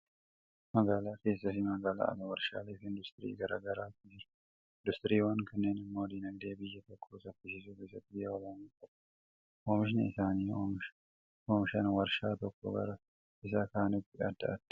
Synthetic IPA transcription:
mɐɡaːlaːke̞ːsːɐsɪmɐɡaːla̰ːɐ̰lɐwɐɾʃa̰ːleːfɪnd̪ʊst̪ɪɾḭːɡɐɾa̰ːɡɐɾaːtɪ | ɪnd̪ʊst̪ɾiːwɐŋkɐnːe̞ːnɪmːo̞ːd̪inɐɡd̪eːbɪjːɐt̪ɔkʰːosɐfːɪʃɪs̬uːfɪsɐt̪ɪjːɐɔlɐmaːt̪ɐkː | ʔoːmɪʃɪnɐ̰ɪsaːniːomʃ | ʔoːmɪʃɐnwɐɾʃaːt̪ɔkːɔ̰ɡɐ̰ɾɐ | ɪsaːkaːnɪt̪ːɪʔɐt̪ːɐ̰ʔɐt̪ː

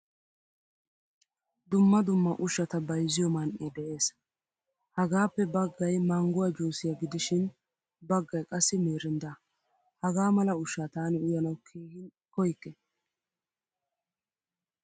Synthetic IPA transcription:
d̪ʊmːɐd̪ʊmːɐʔʊʃɐt̪ɐbɐjzɪjɔmɐnʔed̪ɛʔe̞ːs | hɐɡaːpːɛbɐɡːɐjmɐŋɡʊwɐd͡ʒuːsɪjaɡɪd̪ɪʃɪn | bɐɡːɐjkʼɐsːɪmeːɾɪnd̪a | hɐɡaːmɐlɐʊʃaːt̪aːnɪʊjɐnɐwkʰiːɡɪn | kɔjkːɛ

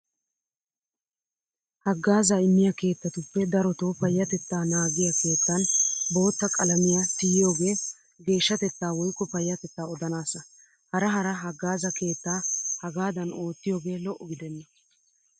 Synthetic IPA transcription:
hɐɡːaːzɐɪnːɪjɐke̞ːt̪ːɐt̪ʊpːɛd̪ɐɾɔt̪oːpɐjːɐt̪ɛt̪ːaːnaːɡɪjɐke̞ːt̪ːɐnbo̞ːt̪ːɐkʼɐlɐmɪjasɪjɪjoːɡe̞ː | ɡe̞ːʃːɐt̪ɛt̪ːaːwɔjkːɔpɐjːɐt̪ɛt̪ːaːɔd̪ɐnaːsɐ | hɐɾɐɦɐɾɐɦɐɡːaːzɐke̞ːt̪ːaːhɐɡaːd̪ɐno̞ːt̪ːɪjo̞ːɡe̞ːlɔʔːɔɡɪd̪ɛnːɐ

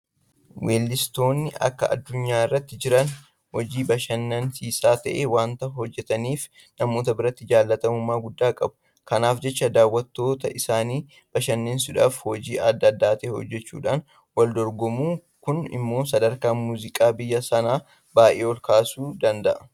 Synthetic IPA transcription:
wʔeːlːɪst̪o̞ːnːɪʔɐ̰kːɐʔɐ̰d̪ːʊɲːaːɪrːɐt̪ːɪd͡ʒɪɾɐn | hɔd͡ʒiːbɐʃɐnːɐnsiːsaːt̪ɐʔeːwaːnt̪ɐhɔd͡ʒːɛt̪ɐniːf | nɐmoːt̪ɐbɪɾɐt̪ːɪd͡ʒaːlːɐt̪ɐmʊmːaːɡʊd̪ːaːkʼɐbʊ̥ | kɐnaːfd͡ʒɛt͡ʃːɐd̪aːwːɐt̪ːo̞ːt̪ɐʔɪsaːniː | b̥ɐʃɐnːeːnsʊᶑaːfhɔd͡ʒiːʔɐd̪ːɐːd̪ːaːt̪ɐeːhɔ̰d͡ʒːɛt͡ʃːṵːᶑaːn | wɐld̪ɔɾɡɔmuː | kʊnɪ̰mːo̞ːsɐd̪ɐɾkaːmuːzɪkʼaːbɪjːɐsɐnaː | baːʔeːɔlkaːsuːd̪ɐnd̪ɐʔɐ

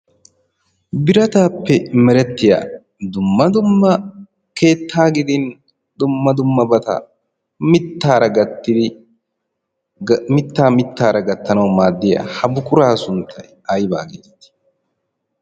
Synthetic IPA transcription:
bɪɾɐt̪aːpːɛmɛɾɛt̪ːɪja̰ː | d̪ʊmːɐd̪ʊmːɐ | ke̞ːt̪ʰːaːɡɪd̪ɪn | d̪ʊmːɐd̪ʊmːɐbɐt̪ɐ̰ | mɪt̪ːaːɾɐɡɐt̪ːɪd̪ɪ | mɪt̪ːaːmɪt̪ːaːɾɐɡɐt̪ːɐnɐwmaːd̪ːɪja̰hɐbʊkʊɾaːsʊnt̪ʰːɐj | ɐjba̰ːɡḛːzɐt̪ɪ̥

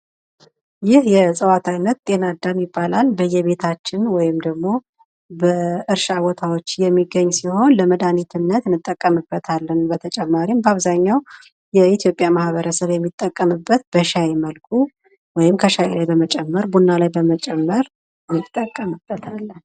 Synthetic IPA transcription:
jɪhjɛsʼəwat̪ʰajnːət̪̚t̪ʼe̞nad̪ːamibːalalbəjːɛβe̞t̪ʰat͡ʃːɪnwɔjɪmd̪əɡmo̞ | bəɨɾʃawɔt̪ʰawot͡ʃːjɛmːiɡːəɲːsiho̞nləməd̪anit̪ʰɨnːət̪nɨt̪ʼːəkʼːəmɨbːət̪ʰalːənbət̪ʰət͡ʃʼɛmːaɾimbaβzaɲːaw | jɛit̪ʰjo̞pʼjamahβəɾəsəβjɛmːit̪ʼːəkʼːəmɨbːət̪̚b̥əʃajeməlkʰu | wɔjɪmkʰəʃajelajbəmət͡ʃʼɛmːəɾbunːalajbəmət͡ʃʼɛmːəɾ | mit̪ʼːəkʼːəmɨb̥ːət̪ʰalː

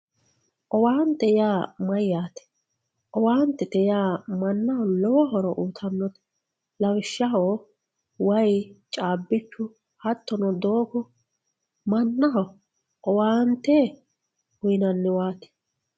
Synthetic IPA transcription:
ʔɔwaːnt̪ɛjaːmɐjjaːt̪ɛ̥ | ʔɔwaːnt̪ːɛt̪ɛjaːmɐnːɐhɔlɔwɔɦɔɾɔʔuːt̪ʰɐnːɔt̪ɛ̥ | lɐwɪʃːɐɦo | wɐjt͡ʃʼaːbːɪt͡ʃːʊ | hɐt̪ːɔnɔd̪oːkɔ | mɐnːɐɦɔ | ʔɔwaːnt̪ːɛ | hʊjnɐnːɪwaːt̪ɛ̥

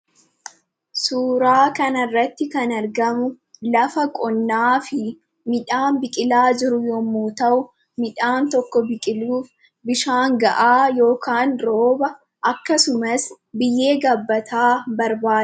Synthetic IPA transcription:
suːɾaːkɐnɐrːɐt̪ːɪkɐnɐɾɡɐmʊ | lɐfɐkʼɔnːaːfɪ | mɪᶑaːmbɪkʼɪlaːd͡ʒɪɾʊjɔmːuːt̪ɐʔʊ | mɪᶑaːnt̪ɔkːɔbɪkʼɪluːf | bɪʃaːŋɡɐʔaːjo̞ːkaːnɾoːbɐ | ʔɐkːɐsʊmɐs | bɪjːe̞ːɡɐbːɐt̪ʰaːbɐɾbaː

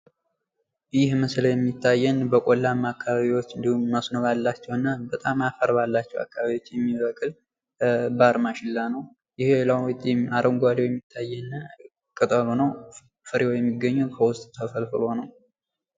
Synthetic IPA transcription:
jɪhməsləjɛmːit̪ʰːajːɛnbəkʼolːamːakʰːaβaβiwo̞t͡ʃːɨnd̪ihumːasnoβalːat͡ʃːɛwɨnːabət̪ʼamafəɾbalːat͡ʃːɛwa̰kːaβaβjwot͡ʃːjɛmːiβəkʼɨl | baɾmaʃɪlːanəw | jɪhelawt̪ʼːaɾʔəŋɡʷad̪ewjɛmːit̪ʰːajːɛn | kʼɨt̪ʼəlonəw | fɨɾiojɛmːiɡːəɲːɛwkʰəwʊst̪ʼt̪ʰəfəlfɨlo̞nəw

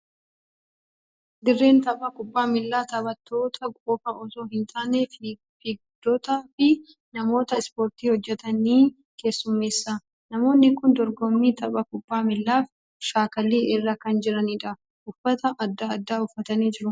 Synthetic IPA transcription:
d̪ɪrːe̞ːnt̪ɐbʼɐkʊbːaːmɪlːaːt̪ɐβɐt̪ːo̞ːt̪ʰɐkʼoːfɐʔɔso̞ːɦɪnt̪ʰaːnef | iɡʊd̪̥ːɔt̪aːfɪ | nɐmo̞ːt̪ɐɪspo̞ːɾt̪iːhɔd͡ʒːɛt̪ɐniː | ke̞ːsːʊmːe̞ːsːaː | nɐmo̞ːnːɪkʊnd̪ɔɾɡɔmːiːt̪ɐbʼɐkʊbːaːmɪlːaːf | ʃaːkɐlːiːʔɛrːakɐnd͡ʒɪɾɐniːᶑɐ | ʔʊfːɐt̪ɐʔɐd̪ːad̪ːaːʊfːɐt̪ɐneːd͡ʒɪɾʊ

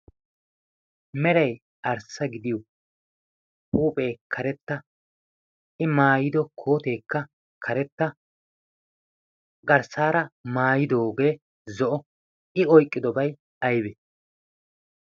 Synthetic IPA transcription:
mɛɾɐj | ɐɾsɐɡɪd̪ɪjo | puːpʼe̞ːkʰɐɾɛt̪ːɐ | ɪmaːjɪd̪ɔkʰo̞ːt̪e̞ːkːɐ | kʰɐɾɛt̪ːɐ | ɡɐɾsaːɾɐmaːjɪd̪o̞ːɡe̞ː | zɔʔɔ | ɪɔjkʼːɪd̪ɔbɐj | ɐjbɛ

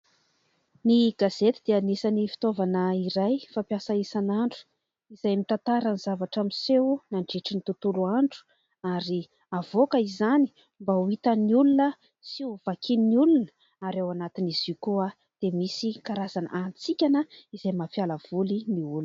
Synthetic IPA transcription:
niɡaz̥et̪id̪eanisanifi̥t̪ovanəiɾajfampjasaisanaɳɖ͡ʐu̥ | izajmit̪ant̪aɾaniz̥avaʈ͡ʂamisewnaɳɖ͡ʐiʈ͡ʂinit̪ut̪uluaɳɖ͡ʐu̥ | aɾi | avokəizani̥ | mbauit̪əniulunə | siuv̥akʰininiulunə̥ | aɾewanat̪iniz̥ikua | d̪̥emisikaɾazana̰ʔant͡sikʲanəiz̥ajmapialav̥uliniulu

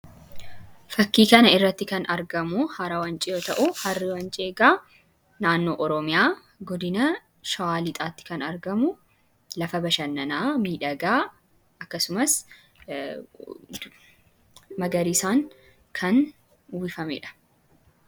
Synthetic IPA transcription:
fɐkːiːkɐnɐɪrːɐt̪ːɪkɐnɐɾɡɐmʊhɐɾɐwɐnt͡ʃʼɪjo̞ːt̪ɐʔʊhɐrːɪwɐnt͡ʃʼɪeːɡaː | naːnːoːʔɔɾɔmɪjaː | ɡɔd̪ɪnɐ | ʃɐwaːlɪt̪ʼaːt̪ːɪ̥kɐnɐɾɡɐmʊ | lɐfɐbɐʃɐnːɐnaːmiːᶑɐɡaː | ɐkːɐsʊmɐs | mɐɡɐɾisaːŋ | kʰɐn | wɪfɐmɛ̰ᶑɐ̥

